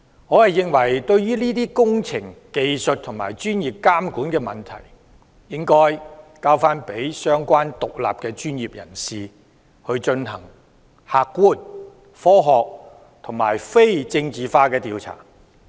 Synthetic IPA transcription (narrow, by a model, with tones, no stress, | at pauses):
ŋɔː˨˧hɐ˨jːɪ˨˧ŋwɐ˨˩jt̪ɵ˧ɥjyː˥liː˥t̪iː˥kʊ˥ŋt͡sʰɪ˨˩ŋke˧jsɵ˨t̚t̪ʰʊ˨˩ŋmaː˨˩jt͡ʃyː˥njiː˨p̚kaː˥mkuː˨˥nkɛː˧mɐ˨nt̪ʰɐ̰˨˩j | jɪ˥ŋkɔː˥jkaː˧wfaː˥npe˨˥jsœː˥ŋkʷwaː˥nt̪ʊ˨k̚la̰ː˨p̚kɛː˧t͡ʃyː˥njiː˨p̚jɐ̰˨˩nsiː˨ | hɵ˧ɥt͡ʃɵ˧nhɐ̰˨˩ŋ | haː˨kːuː˥˩n | fɔː˥ɦɔː˨k̚ | t̪ʰʊ˨˩ŋma̰ː˨˩jfe˥jt͡sɪ˧ŋt͡siː˨faː˧˥kɛː˧t̪iː˧wt͡sʰa̰ː˨˩